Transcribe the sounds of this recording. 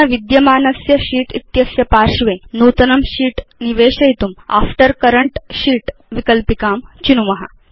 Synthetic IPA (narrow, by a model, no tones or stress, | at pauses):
ɐʋid̪jɐmaːnɐsjɐɕiːʈit̪jɐsjɐpaɾɕʋenut̪ɐnɐmɕiːʈniʋeːɕɐjt̪uma̰fʈəɾkəɾəɳʈɕiːʈʋikəlpikaːmt͡ɕinumɐɦa̰